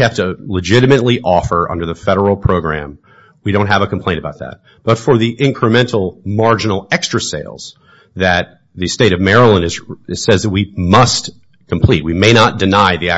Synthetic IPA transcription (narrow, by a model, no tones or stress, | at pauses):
hæftɨləd͡ʒɪɾɨmɨtˡliʔɔfə˞ʔʌ̰̃ndə˞ðɨfɛɾə˞l̩ˠpʰɹ̥oʊɡɹæ̰̃m | wiɾõʊ̃ntɦəvɨkʰmpʰl̥ẽɪ̃nəbaʊt̪̚ðæ̰t̚ | b̥ʌtfə˞ðiʔɪ̃nkʰɹ̥ɨmɛ̃ntʰl̩ˠmɑɹd͡ʒɨn̩l̩ˠɛkstɹ̥ɨseɪlˠz̥ | ðɨt̪̚ | ðɨsteɪɾʌvmɛɹəl̩ˠə̃nɨz̥sɛzðɨt̚wimʌst | kʰm̩pʰl̥it̚wimeɪñət̚d̥ɨnaɪðiæ